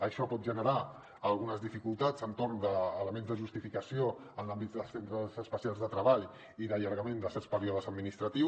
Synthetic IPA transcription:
əʃɔpɔt̪̚ʒənəɾa | əlˠɣunəzðifikulˠt̪azənt̪oɾnd̪əːləmẽnzðəʒust̪ifikəsio | ənlambit̪̚d̪əsent̪ɾəzəspəsialˠzðət̪ɾəβaʎ | iðəʎəɾɣəmẽnd̪əsɛɾspəɾiɔðəzəd̪minist̪ɾət̪i

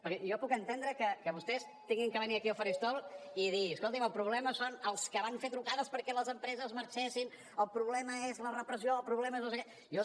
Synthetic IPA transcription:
pəɾkɛjɔpukənt̪end̪ɾəkəkəβust̪ɛs | t̪iŋɡiŋkəβəniɾəkiəlˠfəɾist̪ɔlˠiðiəskolˠt̪iməlˠpɾuβlɛməsonəlˠskəβaɱfet̪ɾukaðəspəɾkɛləzəmpɾɛzəzməɾt͡ʃɛsin | əlˠpɾuβlɛməezlərəpɾəsioəlˠpɾuβlɛmeznosəkɛ | jo

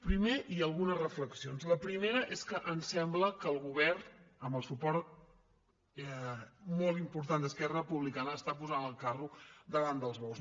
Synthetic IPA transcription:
pɾimeʔiəlˠɣunərəfləksionzləpɾimeɾəʔeskəʔənsɛmbləkəːlˠɣuβɛrnəmbəlˠsupɔɾt̪̚ | ɛmɔlˠimpuɾt̪and̪əskɛrəpuβlikanəːst̪apuzanəlˠkarud̪əβand̪əlˠzβɔws

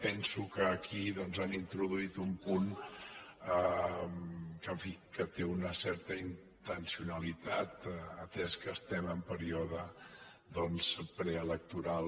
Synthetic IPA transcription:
pɛnsukəːkʰiðɔnzanint̪ɾuðuit̪umpun | ə | kəɱfikət̪eunəsɛɾt̪əin | t̪ənsiunəlit̪at̪ət̪ɛskəst̪ɛməmpəɾiɔðə | d̪ɔnzpɾeələk̚t̪uɾal

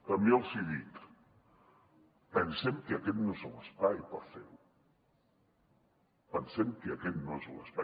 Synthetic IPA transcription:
əmiəlˠziðit̪ | pənsɛmkəəkɛt̪noezuləspajpəɾfeɾu | pənsɛmkəəkɛt̪̚noezuləspa

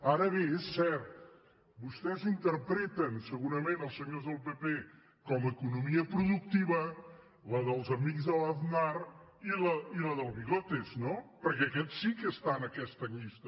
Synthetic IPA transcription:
aɾɐβẽɛsɛɾt̪u̥ | βuʃt̪ezĩnt̪ɨɾpɾɛt̪ɐ̃wsɨɣuɾɐmẽnt̪ɔsɨɲoɾzðɐlˠpepe | kɔmɐikunumiɐpɾuðukt̪iβɐ | lɐðɐlˠzɐmiɣzðɐlˠaðnaɾ | ilɐilˠɐðɐlˠβiɣot̪eʃnɔ̃pɐɾkekɛsikɨʃt̪anɐkɛʃt̪ɐliʃt̪ɐ

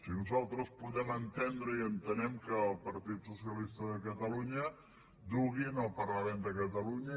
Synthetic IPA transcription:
sinuzalˠt̪ɾəspuðɛmənt̪end̪ɾəiənt̪ənɛmkəːlˠpəɾt̪it̪susiəlist̪əðəkət̪əluɲə | d̪uɣinəlˠpərləmɛnd̪əkət̪əluɲə

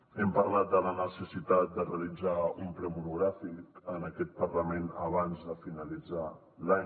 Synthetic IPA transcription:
ɛmpərlat̪̚d̪ələnəsəsit̪at̪̚d̪əreəlid͡zaumpɾɛmunuɣɾafikənəkɛt̪̚pərləmenə̰βanzðəfinəlid͡za | la

